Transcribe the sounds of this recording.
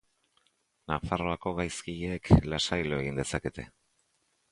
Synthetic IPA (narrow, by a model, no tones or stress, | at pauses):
nafaro̞ako̞ɣajskiʎeːklasajlo̞e̞ɣ̞ind̪e̞sake̞t̪e̞̰